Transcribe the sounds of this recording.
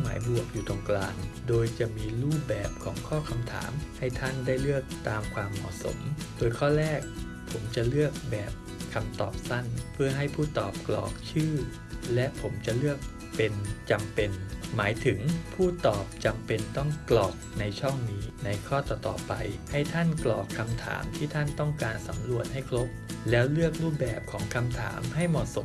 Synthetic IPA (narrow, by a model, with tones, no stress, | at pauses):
ŋma̰ː˩˦jbu˨˩ək̚juː˨˩t̪ʰo˧ŋklaː˧ndoː˧jt͡ɕa˨˩ʔmiː˧ɾuː˥˩p̚bɛː˨˩p̚kʰɔ̰ː˩˦ŋkʰɔː˥˩kʰa˧mt̪ʰa̰ː˩˦mha˥˩jt̪ʰa˥˩ndaː˥˩jlɯ˥˩ək̚t̪aː˧mkʰwaː˧mːɔ̰ː˨˩so̰˩˦mdoː˧jkʰɔː˥˩ɾɛː˥˩k̚ | pʰo˩˦mt͡ɕa˨˩lɯ˥˩ək̚bɛː˨˩p̚ | kʰa˧mt̪ɔ̰ː˨˩p̚sa˥˩npʰɯ˥˩ɐɦa˥˩jpʰuː˥˩t̪ɔː˨˩p̚klɔ̰ː˨˩k̚t͡ɕʰɯː˥˩ | lɛ˦˥ʔpʰo˩˦mt͡ɕa˨˩ʔlɯ˥˩ək̚ | pe˧nt͡ɕa˧mpe˧nmaː˩˦jt̪ʰɯ˩˦ŋpʰuː˥˩t̪ɔː˨˩p̚t͡ɕa˧mpe˧nt̪ɔ˥˩ŋklɔː˨˩k̚na˧jt͡ɕʰɔ˥˩ŋniː˦˥na˧jkʰɔː˥˩t̪ɔː˨˩t̪ɔ̰ː˨˩pa̰˧jha˥˩jt̪ʰa˥˩nklɔ̰ː˨˩kʰːa˧mt̪ʰa̰ː˩˦mt̪ʰiː˥˩t̪ʰa˥˩nt̪ɔ˥˩ŋkaː˧nsa˩˦mlu˨˩ət̪̚ha˥˩jkʰlo˦˥p̚lɛː˦˥wlɯ˥˩ək̚ɾuː˥˩p̚bɛː˨˩p̚kʰɔː˩˦ŋkʰa˧mt̪ʰa̰ː˩˦mɦa˥˩jmɔː˨˩so˨˦